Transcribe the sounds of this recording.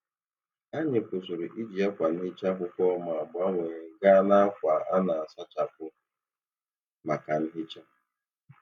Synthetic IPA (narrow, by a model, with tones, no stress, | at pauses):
a˦ɲe˨kʷʊ˨sʊ˨ɾʊ˨ʔi˦d͡ʒi˨a˦kʷa˨n̩˦ɦɪ˦t͡ʃa˦ɦʊ˦kʷɔ˦ma˨a˨bʊ˨˦a˦ŋʷe˨ɲe˨ɡa˦na˦a˦kʷa˨ʔa˦na˨a˨sa˦t͡ʃa˨kʊ˦ | ma˨ka˨n̩˦ɦɪ˦t͡ʃa˦